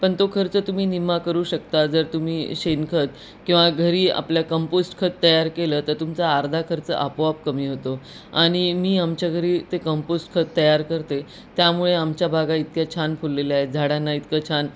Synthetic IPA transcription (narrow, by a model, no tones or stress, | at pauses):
pəɳt̪okʰəɾt͡sət̪um̤iːnimːakəɾuːɕəkt̪ad͡zəɾt̪um̤iːɕenkʰət̪̚ | kĩw̃ʋaɡʱəɾiːa̰pljakəmposʈkʰət̪̚t̪ːəjaɾkeləːt̪əɾt̪umt͡saːɾd̪ʱakʰəɾt͡sə̰ʔapoapkəmiːɦot̪o | aɽ̃imiːamt͡ɕjaɡʱəɾiːt̪ekəmposʈkʰət̪ːəjaɾkəɾt̪e | t̪jamuɭeamt͡ɕjabʱaɡait̪̚kjat͡ɕʰanpʰulːeleaɦed͡zʱaɽanːait̪kət͡ɕʰan